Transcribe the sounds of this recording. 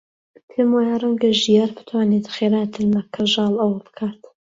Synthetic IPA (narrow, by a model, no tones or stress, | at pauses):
pʰemwaːjarˤɛŋɡɐʒijaːɾbɨ̥t̪ʰwaːnet̪χeɾaːt̪ʰɨɾmɐkʰːɐʒɑːlˠɐwɐbɨ̥kʰaːt̪